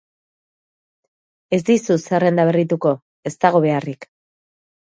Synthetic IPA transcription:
e̞zd̪isusere̞nd̪aβ̞e̞rit̪uko̞ | e̞st̪aɣ̞o̞βe̞arik

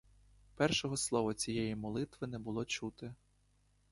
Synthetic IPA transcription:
pɛrʃɔɦɔslˠɔʋɔt͡sʲijɛjimɔlˠɪt̪ʋɪnɛbʊlˠɔt͡ʃut̪ɪ

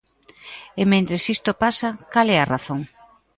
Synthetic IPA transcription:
emẽnt̪ɾesist̪opasɐkalɛaraθoŋ

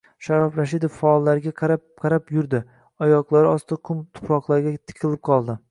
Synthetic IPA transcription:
ʃaɾɒfɾaʃid̪ofːaːlˠːaɾɪɡʲaqʰɾ | qʰɑɾapjʊɾd̪ɪ | ɒjɒqlˠaɾɪɒst̪d̪aqʰʊmt̪ʰʊ̥pɾɒqlˠaɾɡʲat̪ʰɪ̥qʰʲɪlɪp̚qʰɒlˠd̪ɪ

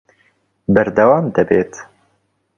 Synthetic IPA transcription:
bɐɾd̪ɐwaːmd̪ɐbeːt̪

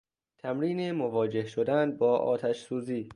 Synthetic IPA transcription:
t̪ʰæmɾiːnemovɒːd͡ʒe̞hʃod̪ænbɒːʔɒ̰ːt̪ʰæʃsuːziː

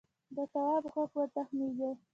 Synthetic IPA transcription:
d̪əsawɑbɣakwəɾt̪axmiɡe

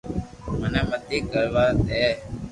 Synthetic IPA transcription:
məneːmət̪iːkəɭʋaːt̪eː

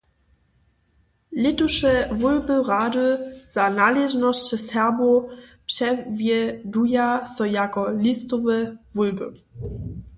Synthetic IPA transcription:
lʲit̪uʂɛvulbɘʁaduz̥analɛʒnɔɕt͡ɕɘsɛʁbopʂɛvʲjɛd̪ujasɔjakɔlʲist̪ɔvɛvulbɘ̰

